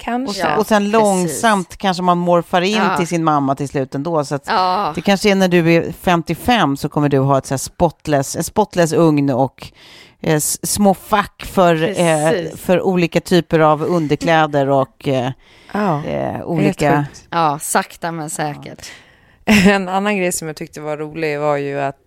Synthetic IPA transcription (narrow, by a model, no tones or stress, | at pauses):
kʰaɔɔsɛnlɔŋsamt̪kʰanʂ̬əmanmɔɾfaɾɪnːt̪ɪlsɪnmamːat̪ʰɪlslʉ̟ːt̪ɛnd̪oːsɔat̪d̥̪ɛkʰanʂəænæɖɵæfɛmt̪ɪfɛmːsɔkʰɔmːəɖɵɦɑːɛt̪sæːʂpɔt̪lɛsɛnspɔt̪ːlɛs̬ɵŋnɔk | smoːfakːfœɾ | fœɾʔuːliːkat̪ʰyːpəɾavɵnd̪əɾkʰlɛːd̪əɾɔk | ṵːliːkaɑːsakt̪amɛnsɛːkə̰ʈ | ɛnanːanɡɾɛjsɔmjaːt̪ʰʏk̚t̪əvaɾuːlɪɡvaɾjɵat̪